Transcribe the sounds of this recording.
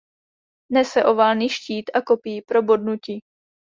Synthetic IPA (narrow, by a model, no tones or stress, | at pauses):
nɛsɛʔovalniʃciːt̪ʔakopiːpɾo̞bo̞dnuci